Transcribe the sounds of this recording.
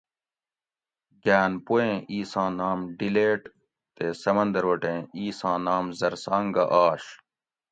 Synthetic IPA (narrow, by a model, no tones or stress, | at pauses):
ɡaːnpuẽiːsãːnaːmɖileːʈ | t̪eːsɐmɐnd̪ɐɾwɐʈẽːiːsãːnaːmzɐɾsãːŋɡɐʔaːɕ